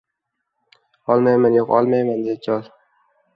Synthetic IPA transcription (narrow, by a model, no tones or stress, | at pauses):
ɒlˠmajmanjoqɒ̰lˠmajmand̪ejat͡ʃʰɒlˠ